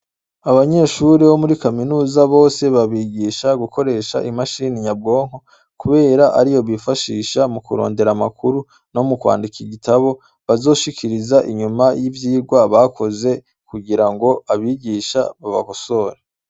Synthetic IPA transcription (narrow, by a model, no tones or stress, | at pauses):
aβaɲe̞ːʃuɾeβo̞muɾikaminuːzaβo̞ːse̞βaβiːɟiːʃaɡuko̞ɾe̞ːʃa̰ʔimaʃiːniɲab̚ɡo̞ːŋ̥o̞ | kuβe̞ːɾaʔaɾijo̞βifaʃiːʃamukuɾo̞̰ːnde̞ɾamakʰuɾu | no̞mukwa̰ːndikiɡitaβo̞ | βazo̞ːʃikʰiɾizaʔiɲumajivjiːɾɡwaβakʰo̞ze̞ | kuɡiɾaŋɡo̞aβiɟiʃaβaβa̰βoso̞ːɾe